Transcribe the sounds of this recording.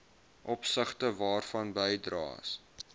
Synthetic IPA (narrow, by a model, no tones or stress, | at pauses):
ʔɔpsəχtəvɑːrfɐnbəjdrɑ̰ːs